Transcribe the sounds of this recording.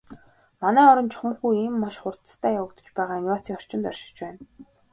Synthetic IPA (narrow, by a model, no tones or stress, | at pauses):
manæːɔɾɞ̆nt͡ɕʰɔ̥χə̆ɴxujiːmːaʃχʊrt̪st̪ʰæːjawə̆kt̪ə̥̆t͡ɕpæːʁaːiŋaːsiːŋɔr̥t͡ɕɪ̆nt̪œrʃɪ̆kt͡ɕpæːn